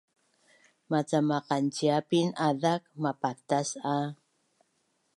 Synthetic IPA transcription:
mat͡samaqant͡ʃiapinaðak̚mapat̪asa

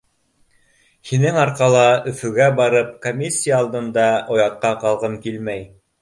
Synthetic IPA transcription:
hinɘŋɑɾqɑlˠɑɵ̆fɵ̆ɡæbɑɾɤp̚komʲisʲːijaːlˠd̪ɤ̆nd̪ɑʔŏjɑt̪̚qɑqɑlˠʁɤmkilmæj

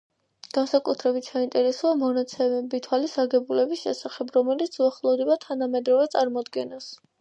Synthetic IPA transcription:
ɡ̥ansakʼut̪ʰɾɛbit̪ʰsaint̪ʼɛɾɛsuamɔnat̪sʰɛmɛbit̪ʰwalisaɡɛbulɛbisʃɛ̰saχɛbɾɔmɛlit̪sʰuaχlˠɔvd̪ɛbat̪ʰanamɛd̪ɾɔvɛt̪sʼaɾmɔd̪ɡɛnas

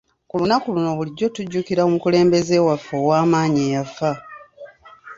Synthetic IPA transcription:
kulunakuluno̞βuliɟːo̞tuɟːukiɾaumukule̞ːmbe̞ze̞wafːoːwaːmaːɲeːjafa

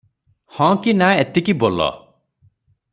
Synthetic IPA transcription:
hɔ̃kinaet̪ikibolɔ̰

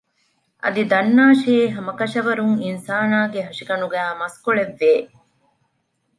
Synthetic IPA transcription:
ʔɐ̰d̪id̪ɐnːaːʃeːɦɐmɐkɐʃɐʋɐɾuŋinsaːnaːɡeɦɐʂiɡɐnuɡæːmɐskoɭeʋːeː

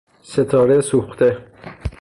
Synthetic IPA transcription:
set̪ʰɒːɾesuxt̪ʰe

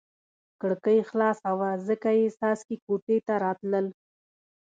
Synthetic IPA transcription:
kəɽkəjxlɑsawazəkajesɑskikoʈet̪aɾɑt̪ləl

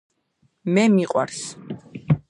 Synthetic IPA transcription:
mɛmiqʼwa̰ɾs

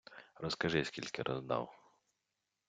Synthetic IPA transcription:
rɔskɐʒɪsʲkʲilʲkɪɾʔɔzd̪a̰w

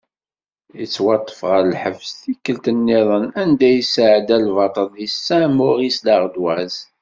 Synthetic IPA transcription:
jət͡sːwɑt̪ˤːə̥fʁəɾlħəvsθikːəlt̪ənːɪðˤənænd̪æjəsʕəd̪ælvɑt̪ˤəlisːæmʊʁislaʁd̪wæz

